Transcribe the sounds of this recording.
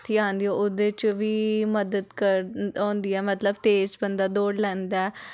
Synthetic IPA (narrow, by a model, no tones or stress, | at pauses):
t̪ʰiːãːnd̪ijõːʊd̪eːt͡ʃʋiːməd̪əd̪kəɾɔ̃ːnd̪iːɛːmət̪ləbt̪eːd͡ʒbənd̪aːd̪oːɽlɛ̃ːnd̪aː